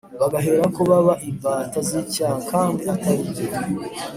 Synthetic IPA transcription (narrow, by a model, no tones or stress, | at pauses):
βaɡaɦeɾakoβaβaʔibaːtazicaːkʰaːndiataɾii